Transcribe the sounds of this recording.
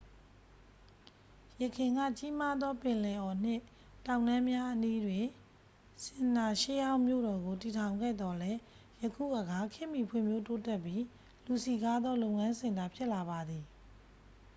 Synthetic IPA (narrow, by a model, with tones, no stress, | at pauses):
jəkʰɪ̃˨ŋɡä̰˦˨t͡ɕi˦ma˦d̪ðɔ˦pɪ̃˨lɛ˨ʔɔ˨n̥ɪ̰̃˦˨ | tã˨ʊ̃nã˦mja˦ʔəni˦dwɪ̃˨ | sɪ̃˨na˨ʃe˦jã˦ʊ̃mjo̰˦˨ɾɔ˨ɡo˨ti˨tʰã˨ʊ̃ŋɡɛ̰˦˨d̪ɔ˨lɛ˦ | jəkʰṵ˦˨ʔə˨ɡa˦kʰɪ̃˦˨mi˨pʰwɪ̰̃˦˨mjo˦to˦tɛ˦˨pji˦ | lu˨si˨ɡa˦d̪ðɔ˦lo˦˨ʊ̃ŋã˦nzɪ̃˨nd̪a˨pʰjɪ˦ʔla˨βa˨d̪i˨